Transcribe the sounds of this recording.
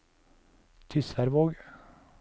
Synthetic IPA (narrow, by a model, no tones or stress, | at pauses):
t̪ʰʏsæɾʋoːɡ